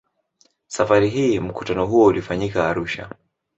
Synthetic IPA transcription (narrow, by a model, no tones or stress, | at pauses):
safaɾiɦiːm̩ku̥tanɔɦuɔulifaɲikaːɾuʃa̰